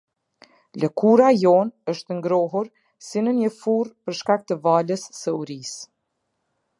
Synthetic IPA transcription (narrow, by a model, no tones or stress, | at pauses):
lɛkuɾajɔnəʃt̪əŋɡɾɔɦuɾ | sinənjəfurpəɾʃkak̚t̪əvaləsːəuɾis